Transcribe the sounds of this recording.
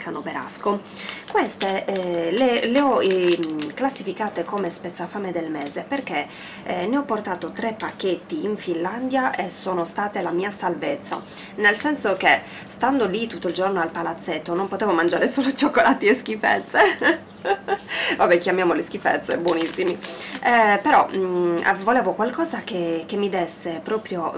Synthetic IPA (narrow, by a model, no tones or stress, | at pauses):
kʰanobeɾa̰sko | kwest̪eleleɔ | klasːifikaːt̪ekomespet̪sːafamed̪elmɛːzeperke | neɔpːort̪aːt̪ot̪ɾepːakːet̪ːiːɱfinland̪jaʔesoːnost̪aːt̪elamiːasalvet̪sːa̰ | nelsɛnsok̟e | st̪and̪olit̪ːut̪ːoild͡ʒornoalpalat̪sːet̪ːonompot̪ɛːvomand͡ʒaːɾesoːlot͡ʃokːolaːt̪ilesk̟ifɛ̰t̪sːe | vabɛk̟jamjaːmolesk̟ifɛ̰t̪sːebwonisːimi | peɾɔ̰ | volɛːvokwalkɔːzakekemːid̪ɛsːepɾɔːpɾjo